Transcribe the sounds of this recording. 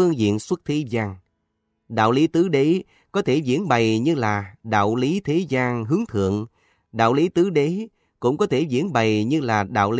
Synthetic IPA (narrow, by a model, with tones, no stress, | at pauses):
ɨ˧əŋzḭ˧˨ənswə˦˥t̚t̪ʰi˨˦zaː˧ŋ | ɗa̰ː˧˨wli˨˦t̪ɨ˨˦ɗə˨˦j | kɔ˨˦t̪ʰe˧˩zḭ˧˥ənɓə˨˩jɲɨ˧laː˨˩ɗa̰ː˧˨wli˨˦t̪ʰe˨˦zaː˧ŋɦɨ˨˦əŋt̪ʰɨ̰˧˨əŋ | ɗa̰ː˧˨wli˨˦t̪ɨ˨˦ɗə˨˦ | kʊ̰˧˥ŋ͡mkɔ˨˦t̪ʰe˧˩zḭ˧˥ənɓa˨˩jɲɨ˧laː˨˩ɗa̰ː˧˨wli˨˦